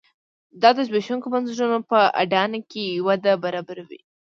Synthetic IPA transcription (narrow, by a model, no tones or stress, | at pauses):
d̪ɑd̪əzbeʃuŋkomanziɾunopəa̰ɖɑnakejwad̪abaɾɑbaɾawḭ